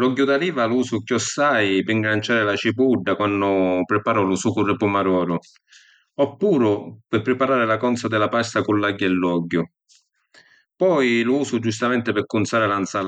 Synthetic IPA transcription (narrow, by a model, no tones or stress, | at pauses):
lɔɟːʊd̪aliːvaluːsʊkjɔsːajpɪŋɡɾant͡ʃaːɾɪlat͡ʃipuɖːakwanːʊpɾɪpaːɾʊlʊsukʊrːɪpʊmaɾɔːɾʊ | ɔpːuːɾʊpɪpːɾɪpaɾaːɾɪlakɔnt̪sad̪ɪlapast̪akulːaɟːɛlːɔɟːʊ | pɔjlʊuːsʊd͡ʒust̪amɛnt̪ɪpɪɾkʊnt̪saːɾɪlant̪saːl